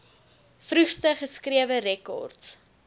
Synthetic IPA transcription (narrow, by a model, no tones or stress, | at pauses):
frʉχstəχəskriəvəɾɛkɔ̰rts